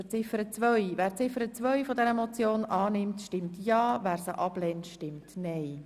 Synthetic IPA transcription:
ət͡sɪfəɾət͡sʋœʏʋæːɾt͡sɪfəɾət͡sʋœʏjfɔdɛɾəmɔt͡sjoːnʔɑːnɪmtʃtɪmtjɑːvæːɾsəʔɑb̥lɛntʃtɪmtnɛj

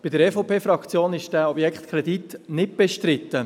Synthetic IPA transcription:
b̥ɪdəɾɛːfopʰeːfɾɑkt͡sjoːnɪʃd̥æːɔbjɛkχt̪kʰɾɛd̪it̪nɪt̚b̥ɛʃtɾɪt̪ːə

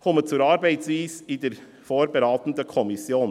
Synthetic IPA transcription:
hʊmət̪t͡sʉːɾɑɾbæɪt̪sʋiːsid̪ɛɾ | fɔɾbəɾɑːt̪n̩d̪əkʰɔmɪsjoːn

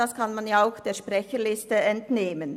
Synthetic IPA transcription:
askʰanmanjaaʊxd̥eːɐʃpʁɛçəlɪstəɛntneːmən

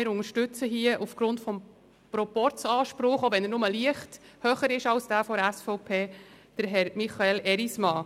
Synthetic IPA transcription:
ɪɾʊŋəɾʃtʏt͡səɦiəʔufɡ̥ɾʊntfɔm | pɾɔpɔɾt͡sɑːʃpɾʊχoʋɛnəɾnʊməliəχthœχəɾɪʃɑlsd̥æːfɔɾæsfɔʊpʰeː | d̥əɾɦɛɾmiχɑelɛɾismɑː

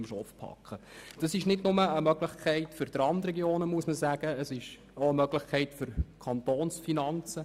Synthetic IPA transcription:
mʃɔfpʰɑ̰kχəd̥ɑsɪʃnɪdnʊməəmœɡlɪχkʰɛɪtfʏɾd̥̪ɾɑndɾɛɡjoːnəmuəsməsæːɡ̥əəsɪʃ | oəmœɡlɪχkʰɛɪtfʏɾkʰɑnt̪oːnsfinɑnt͡sə

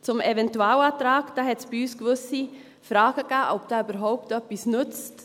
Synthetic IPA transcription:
t͡sʊmevɛntuaːlatɾaːɡd̥aːɦɛtsbiyːskvʏsi | fɾaːɡ̥əɡ̥aːʔɔp̚d̥aːyːbəɾɦɔʊp̚tœpisnʏt͡st

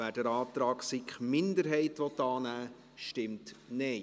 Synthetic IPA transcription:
æːdɛɾɑːt̪ɾɑːksikχmɪndəɾɦɛɪtʋɔt̪ːɑːnæː | ʃtɪmtne

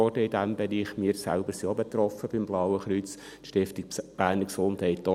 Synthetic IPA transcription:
ɔrdəɪdæmbeɾiːχmiːɾsæ̰lbəɾsiobet̪ɾɔfəb̥ɪmblɑwəχɾyt͡s | ʃtɪftikb̥æːɾnəɾksʊndhɛɪt̪o

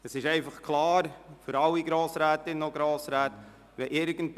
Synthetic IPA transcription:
əsɪʃɛɪfɑχkʰlɑːɾfʏɾɑlːiɡɾoːsɾæːtɪnoɡɾoːsɾæːt | ʋɛʔɪɾɡ̥ən̩t

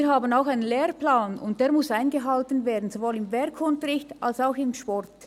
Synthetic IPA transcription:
iːɐɦaːbənaʊxaɪnənleːrplaːnʊ̰nt̚d̥eːɐmʊsaɪnɡəɦaltənveːɐdn̩zovoːlɪmvɛɾkʰʊntəɾɪçtalsaʊxɪmʃpɔrt

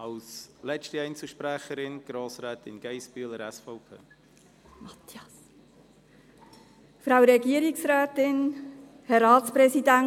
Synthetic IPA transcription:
ɑlslɛt͡ʃtiɛɪnt͡suʃpɾæχəɾɪnɡ̥ɾoːsɾɛːtɪnɡ̥ɛɪsb̥yləɾɛsfɔʊpʰḛː | mɑt̪ʰjɑs | fɾawɾɛɡiəɾɪksɾɛːtɪn | hɛɾɑːtt͡spɾɛsidæn

